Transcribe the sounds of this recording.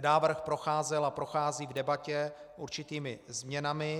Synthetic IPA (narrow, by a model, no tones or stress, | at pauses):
naːvr̩xpɾo̞xaːzɛlapɾoxaːziːvdɛbacɛʔuɾt͡ʃɪt̪iːmɪzmɲɛnamɪ